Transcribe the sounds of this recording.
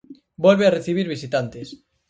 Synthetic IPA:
bolβeareθiβ̞iɾβ̞isit̪ant̪es

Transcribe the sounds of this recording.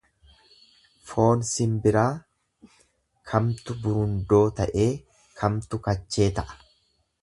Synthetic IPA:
fo̞ːnsɪmbɪɾaː | kʰɐmt̪ʊbʊɾʊnd̪o̞ːt̪ɐʔe̞ː | kʰɐmt̪ʊkɐt͡ʃːe̞ːt̪ɐʔɐ̥

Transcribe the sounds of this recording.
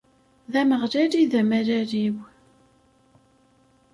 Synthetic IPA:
ðæməʁɾæɾiðæmæɾæɾiw

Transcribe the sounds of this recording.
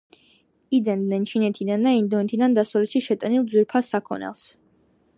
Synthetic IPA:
id̪zɛnd̪nɛnt͡ʃʰinɛt̪ʰid̪and̪aind̪ɔɛt̪ʰid̪and̪asɔlɛt̪ʃiʃɛt̪ʼɛnilˠd̪zwiɾpʰasːakʰɔ̰nɛ̰lˠs

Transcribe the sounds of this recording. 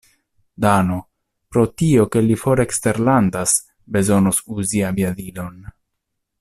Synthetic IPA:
dano̞ | pɾo̞tio̞ke̞lifo̞ɾeekste̞ɾlandas | be̞zo̞nosuziaviadilo̞n

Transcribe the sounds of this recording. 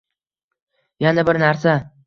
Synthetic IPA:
janabɪɾnaɾsa

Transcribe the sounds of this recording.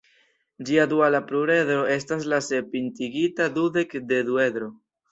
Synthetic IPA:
d͡ʒiad̪ualapɾuɾe̞dɾo̞e̞stas̬lase̞pintiɡitadudekde̞due̞d̪ɾo

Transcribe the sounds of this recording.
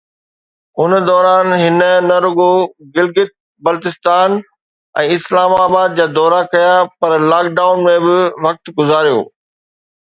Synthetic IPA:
ʊnd̪ɔːɾaːnɦɪnənɐɾʊɡoɡɪlɡɪt̪̚ | bɐlt̪ɪst̪aːn | ɛ̃ːɪslaːmaːbaːd̪̚d͡ʑaːd̪ɔːɾakɐjapɐɾlaːk̚ɖaːʊnmẽbɪʋɐk̚t̪ɡʊzaːɾijo̰ː

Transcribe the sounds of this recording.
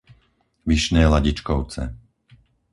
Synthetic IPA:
ʋiʃnɛːlaɟit͡ʃkɔʊt͡sɛ̰

